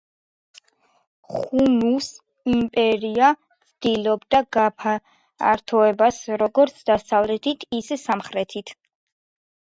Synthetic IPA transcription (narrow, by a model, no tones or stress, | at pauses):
χunus | impʼɛɾia | sʰd̪̥ilɔbd̪aɡapʰa̰ː | ɾt̪ʰɔɛbasɾɔɡɔɾt̪sʰd̪asavlɛt̪ʰit̪ʰisɛsamχɾɛt̪ʰit̪ʰ